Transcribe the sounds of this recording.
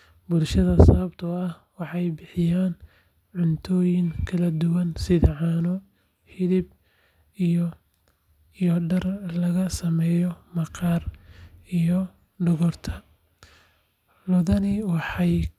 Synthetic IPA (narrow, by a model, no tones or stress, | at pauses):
bʊlʃɐðɐsɐβɐbt̪ʰɐɐh | wɑħɑjbɪħɪjaːn | ʕʊnt̪ʰɔːjɪŋkʰɐlɐd̪ʊwɐnsɪðʕɑːnɔ | hɪðɪb | ijɔɖɐrlɐɣɐsɐmɛːjɔmɐqɑːrijɔ | ɖɔɣɔrt̪ʰɐ | lɔðɐnɪwɑħɑj